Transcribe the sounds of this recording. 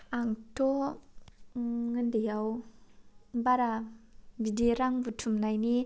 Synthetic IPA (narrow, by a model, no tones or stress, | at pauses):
aŋtʰɔ | ŋɯndijaw | baɾabidɾaŋbutʰumnajni